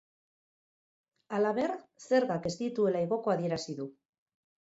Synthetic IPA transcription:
alaβe̞ɾse̞ɾɣake̞zt̪it̪ue̞laiɣo̞ko̞aðie̞ɾasiðu

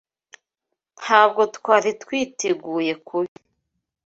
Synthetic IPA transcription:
haːb̚ɡo̞tkwaːɾitkwiːtʰeɡuːje̞kʰuβi

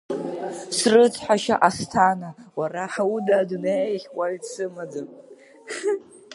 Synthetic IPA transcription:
srɨt͡sʰħaʃa̰ʔastʰanawaraħaudadunejχʲwʷaɥdsɨmad͡zɨm

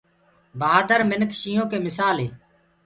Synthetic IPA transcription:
bəaːd̪əɾmɪnkʃiːõːkeːmɪsaːlɦeː

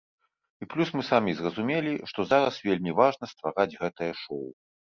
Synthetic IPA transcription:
iplʲusmɨsamʲizrɐzumʲelʲiʂt̪ɔzaɾɐsvʲelʲmʲivaʐnɐst̪vaɾad͡zʲɣɛt̪ɐjɐʂɔw

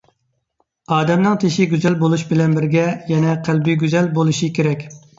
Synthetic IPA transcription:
ɑːd̪ɛmnɨŋt̪ʰeʃɪɡʲyzɛlbolˠuʃbɪlɛnbɪɾɡʲɛjɛnɛqʰælbiɡʲyzɛlbolˠuʃikʲʰeɾɛkʲ

